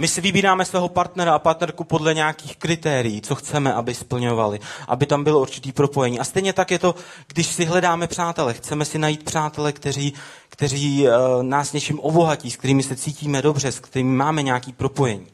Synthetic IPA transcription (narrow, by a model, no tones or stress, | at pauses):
mɪsɪvɪbiːɾaːmɛsvɛːɦopaɾt̪nɛɾaapaɾt̪nɛɾkupo̞dlɛɲaakiːxkɾɪt̪ɛːɾɪjiːt͡so̞xt͡sɛmɛʔabɪspl̩ɲo̞valɪʔa̰bɪt̪ambɪlouɾt͡ʃɪt̪iːpɾo̞po̞jɛɲiːʔast̪ɛjɲɛt̪akjɛt̪o̞ɡdɪʃsɪɦlɛdaːmɛpr̝̥aːt̪ɛlɛxt͡sɛmɛsɪnajiːt̪̚pr̥aːt̪ɛlɛkt̪ɛɾiː | kt̪ɛriːnaːsɲɛt͡ʃɪmʔo̞bo̞ɦaciːskt̪ɛɾiːmɪsɛt͡siːciːmɛdo̞br̝ɛskt̪ɛɾiːmɪmaːmɛɲaːkiːpɾo̞po̞jɛɲiː